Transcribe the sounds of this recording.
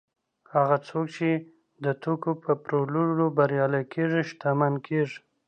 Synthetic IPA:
haɣat͡sok̚t͡ʃe | d̪ət̪okopəpɾoluɽobaɾjɑlajkʰeʐiʃt̪amankʰeʐi̥

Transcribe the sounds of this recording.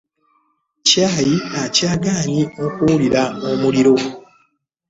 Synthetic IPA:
caːjiacaːɡaːɲiokuliɾaomuliɾo̞

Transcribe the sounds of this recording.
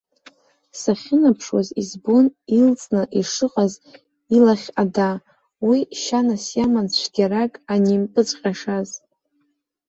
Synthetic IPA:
saχʲɪnapʰʂwa̰zizbonilt͡sʼnɨʔiʂɨqʼaz | ilaχʲada | wiʃanasjamant͡ɕʷʰɡʲaɾakʼanimpʼɨt͡sʷʼqʲʼaʂaz

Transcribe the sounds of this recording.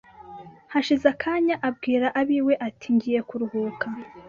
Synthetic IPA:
haʃizakʰaːɲaʔab̚ɡiːɾaʔaβiːwe̞ʔatʰiɲɟije̞kuɾuhuːka

